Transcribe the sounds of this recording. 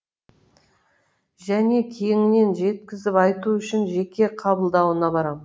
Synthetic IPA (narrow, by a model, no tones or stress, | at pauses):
ʒæne̞kʲʰejɪŋɪne̞nʒe̞t̪̚kʲɪzɪpɑjt̪uʏʃɪnʒe̞kʲe̞qʰɑbəlˠd̪ɑwənɑbɑɾɑmə